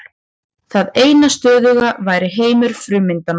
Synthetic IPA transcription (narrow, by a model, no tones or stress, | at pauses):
θaðeːjnast̪œːðʏɣavaːjɾɪɦeːjmʏɾ̥fɾʏːmɪnt̪an